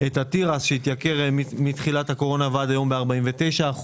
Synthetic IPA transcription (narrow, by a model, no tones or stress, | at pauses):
e̞t̪hat̪iʁasʃeit̪jakeʁmit̪χilat̪hako̞ʁo̞navad̪ajo̞mbeaʁbaimvet̪e̞jʃaːχ